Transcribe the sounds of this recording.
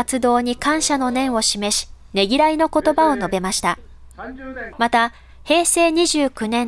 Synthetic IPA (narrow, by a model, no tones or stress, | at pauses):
at͡sɨd̪o̞ːɲ̟ikãɰ̃ɕano̞nẽ̞ɰ̃o̞ɕime̞ɕi̥ | ne̞ɡʲiɾaino̞ko̞t̪o̞bao̞no̞be̞maɕi̥t̪a | mat̪a | he̞ːse̞ːɲ̟iʑɨːkɯ̟nẽ̞